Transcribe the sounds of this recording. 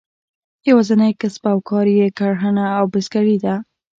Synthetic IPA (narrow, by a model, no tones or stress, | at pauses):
jawɑzanajkaspawkʰɑɾjekaɽɦənaːwbɪskaɽid̪a